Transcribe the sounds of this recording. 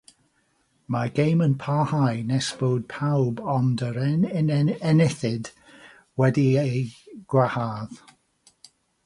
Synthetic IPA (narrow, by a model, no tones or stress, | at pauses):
maɡejmənpʰahajnɛsb̥oːd̥̚pʰawbɔndəɾɛnɛnɪθɪd̥ | wɛdiejɡ̥wahaːð